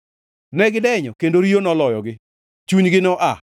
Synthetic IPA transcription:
nɛɡɪdɛɲɔkendoɾionɔlɔjɔɡɪ | t͡ʃuɲɡɪnɔʔa

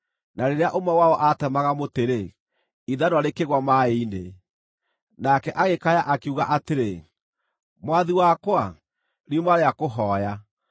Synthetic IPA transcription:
naɾeɾeaʔomawaɔʔatɛmaɣamoteɾe | iðanwɔɾekeɣwamaeine | nakɛʔaɣekajaʔakeuɣaʔateɾe | mwaðiwakwa | ɾiomaɾeakoɦɔːja

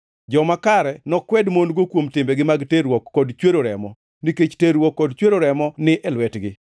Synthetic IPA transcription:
d͡ʒɔmakaɾɛnɔkwɛdmonɡokwomtɪmbɛɡɪmaɡteɾwɔkːɔdt͡ʃweɾoɾɛmɔ | niket͡ʃteɾwɔkːɔdt͡ʃweɾoɾɛmɔnɪʔɛlwɛtɡɪ

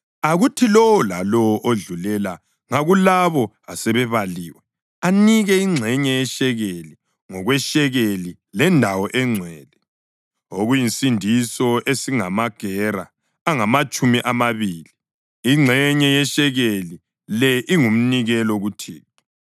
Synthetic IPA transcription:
aɣutʰilɔwɔlalɔɔʔoɮulɛla | ŋaɣulaβɔ | asɛβɛβaliːwɛ | aniɣɛiŋ͡ǀʱɛɲɛjɛʃɛɣeli | ŋɔɣwɛʃɛɣeli | lɛndʱawɔʔɛŋ͡ǀʱwɛːlɛ | oɣujinsindʱisɔʔesiŋamaɡ̥ʱɛraː | ŋamat͡ʃʼumiʔamaβiːli | iŋ͡ǀʱɛɲɛjɛʃɛɣeli | lɛʔiŋum̩niɣɛlɔɣutʰḭːtʰɔ̥

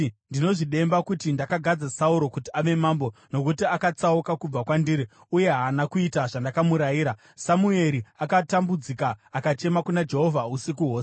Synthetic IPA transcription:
ndino̞ʐiɗe̞mbakutindakaɡʱad͡zasauɾo̞kutiaʋe̞maːmbo̞no̞kutiakat͡saukakub͡vakwandiːɾi | uje̞ɦaːnakuitaʐandakamuɾajiːɾa | samue̞ɾiakatambud͡zikaːkat͡ʃe̞makunad͡ʒe̞ɦo̞vʱausikuɦo̞ːs

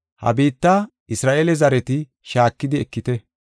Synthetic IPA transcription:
hɐ̰biːt̪ːa | ɪsɾaːʔeːlɛzɐɾɛt̪ɪ | ʃaːkːɪd̪ɪɛkːɪt̪ɛ

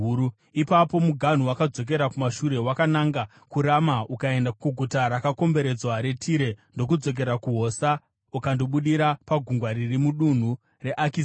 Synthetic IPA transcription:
ipapo̞muɡʱan̤uwakad͡zo̞k̬e̞ɾakumaʃuɾe̞wakanaŋɡa | kuɾamaukae̞ndakuɡʱutaɾakako̞mbe̞ɾe̞d͡zwaɾe̞tʰiɾe̞ndo̞kud͡zo̞k̬e̞ɾakuɦo̞sa | ukandoɓuɗiɾapaɡʱuŋɡwaɾirimuɗun̤u | re̞ʔakis

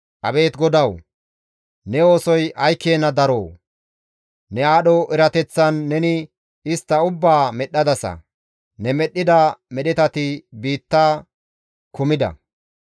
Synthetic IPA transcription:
ʔɐ̰be̞ːt̪ɡɔd̪ɐw | nɛo̞ːsɔjɐjkːeːnːɐd̪ɐɾoː | nɛaːɗɔʔɪɾɐt̪ɛt͡sːɐnːɛnɪ | ɪst̪ːɐʊbːaːmɛɗːɐd̪ɐsɐ̰ | nɛmɛɗːɪd̪ɐmɛɗɪt̪ɐt̪ɪbiːt̪ːaː | kʊmɪd̪ɐ̰

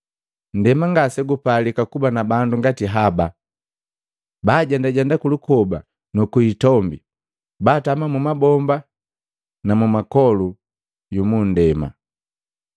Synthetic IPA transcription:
n̩dɛmaŋɡasɛɡupalikakubanabanduŋɡatiɦaba | baːɟandaɟandakulukɔba | nukuitɔmbi | baːtamamumabɔmba | namumakɔlu | jumun̩dɛma̰

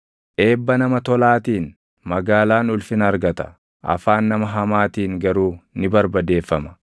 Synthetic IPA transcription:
ʔe̞ːbːɐnɐmɐt̪ɔlaːt̪iːn | mɐɡaːlaːnʊlfɪnɐɾɡɐt̪ɐ̥ | ʔɐ̰faːnːɐmɐɦɐmaːt̪iːŋɡɐɾuːnɪbɐɾbɐd̪e̞ːfːɐmɐ̥

